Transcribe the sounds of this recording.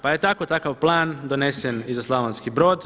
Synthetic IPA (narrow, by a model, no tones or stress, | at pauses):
paje̞t̪ako̞t̪akaʋplˠaːnd̪one̞senizaslˠaʋanskibɾo̞ːd̪